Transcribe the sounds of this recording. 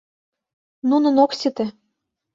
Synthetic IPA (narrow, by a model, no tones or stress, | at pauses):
nunɤ̆noksit̪ĕ